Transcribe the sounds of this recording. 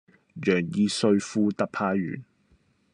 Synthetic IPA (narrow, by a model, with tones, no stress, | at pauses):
jœː˨˩ŋjiː˧sɵ˧ɥfuː˥t̪ɐ˥k̚pʰaː˧˥jɥy̰ː˨˩n